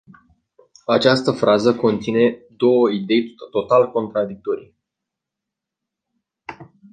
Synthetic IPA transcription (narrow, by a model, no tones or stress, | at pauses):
at͡ʃast̪əfɾʔazəko̞nt̪sine̞d̪o̞wəid̪e̞jt̪o̞t̪alko̞nt̪ɾad̪ik̚t̪o̞ɾij